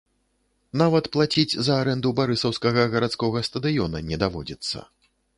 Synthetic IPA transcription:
navɐt̪plˠat͡sʲid͡zʲzɐaɾɛnd̪ubaɾɨsɐwskɐɣɐɣɐɾat̪skɔɣɐst̪ɐd̪ɨjɔnɐnʲɛd̪avɔd͡zʲit̪sːɐ̰

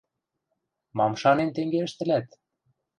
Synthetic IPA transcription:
mɑmʃɑnent̪eŋɡeəʃt̪ɘ̆læt̪

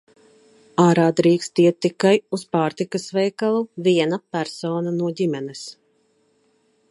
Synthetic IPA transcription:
aːɾaːd̪ɾiːkst̪iɛt̪ːikajuspaːɾt̪ikasvɛjkalˠuviɛnapæɾsoːnanuɔɟimɛnɛs

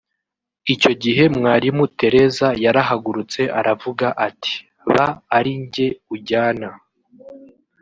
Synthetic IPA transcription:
ico̞ɟiɦe̞mŋaːɾimute̞ɾe̞zajaɾaɦaɡuɾut͡se̞ʔaɾavuɡaʔatʰi̥ | βaːɾiɲɟe̞uɟaːna

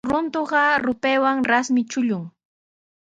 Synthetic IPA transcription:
ɾʊnt̪oɢɑɾʊpeːwaŋɾasmɪt͡ʃʊʎʊŋ

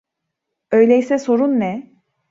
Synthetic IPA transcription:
ø̞jlʲɛjsɛso̞ɾunːɛ

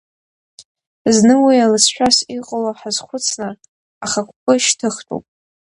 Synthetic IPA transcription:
znɨwialɨsʰʃʷᶣasiqʼalaħazχʷʊt͡sʰnɨ | aχakʷʰʼpʼɨʃtʰɨχtʷʰo̰wpʼ

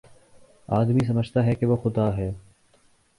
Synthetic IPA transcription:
aːd̪miːs̬ɐməd͡ʒʱt̪aɦɛkeʋoxʊd̪aːɦɛː

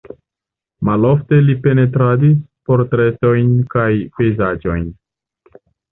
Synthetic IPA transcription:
malo̞fte̞lipe̞ne̞tɾadispo̞ɾtɾe̞to̞jnkajpe̞jzad͡ʒo̞jn

